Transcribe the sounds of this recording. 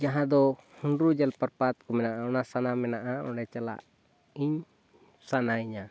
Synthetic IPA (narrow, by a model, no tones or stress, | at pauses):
d͡ʒaɦãd̪ɔhunɾud͡ʒalpaɾpat̪̚kɔmɛnaʔaɔnasanamɛnaʔaɔ̰ɽɛt͡ʃala̰ʔ | iɲ | sanaiɲa